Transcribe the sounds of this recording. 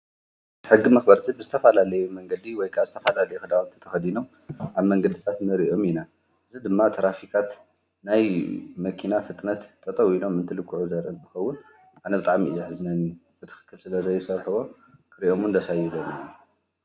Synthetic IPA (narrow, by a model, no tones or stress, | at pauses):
ħɨɡːimɐxbɐɾt̪ʰibɨzɨt̪ʰɐfalalɐjumɐŋɡɐd̪iwɔjkʰazɨt̪ʰɐfalalɐjuxɨd̪awunt̪ʰɐ̥t̪ʰɐxɐd̪ino̞m | ʔaβmɐŋɡɐd̪it̪ʰat̪nɨɾiʔo̞mina | ʔɨzid̪ɨmːat̪ʰɐɾafikʰʼat̪ | najmɐkʰinafɨt̪ʼnɐt̪t̪ʰʼːɐt̪ʼɐwilo̞mːɨnt̪ʰɨlɨkʰːuʕuzɐɾʔɨnt̪ʰɨ̥xɐwːʊn | ʔanɐbɨt̪ʼaʕmiʔɨzɐħɨznɐnu | b̥ɨt̪ʰɨ̥xɨ̥kʰːɨlsɨlɐzɐjːɪsɐɾħɨβo̞ | kʰɨɾiʔo̞mɨnd̪ɐsajɛlominu